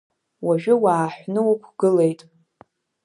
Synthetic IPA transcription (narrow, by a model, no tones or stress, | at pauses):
waʒᶣʊwaːħʷnɨwakʷʰɡ̥ɨlejtʼ